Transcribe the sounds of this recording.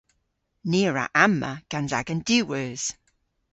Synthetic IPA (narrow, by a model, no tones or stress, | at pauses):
niːɹa̰ʔamə̰ɡ̥anza̰ɡənd̥ʉːwəːz̥